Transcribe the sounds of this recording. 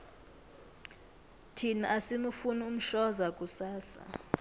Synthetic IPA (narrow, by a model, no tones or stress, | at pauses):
tʰinaasimufunium̩ʃɔzakʼusaːsa̰